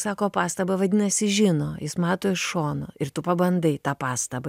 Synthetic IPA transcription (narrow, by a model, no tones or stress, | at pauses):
sɑːkoːpɑːst̪ɐbɐʋɐd̪ʲɪːnɐsʲɪʒʲɪnoːjɪsmɑːt̪oːɪʃʃoːnoɪɾt̪ʊpɐbɐnd̪ɐɪt̪ɑːpɑːst̪ɐbɐ